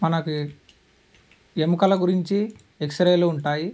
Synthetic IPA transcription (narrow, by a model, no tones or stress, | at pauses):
mɐnɐku | emukɐlɐɡuɾiɲt͡ʃi | eksɐɾeːloːuɳʈaːji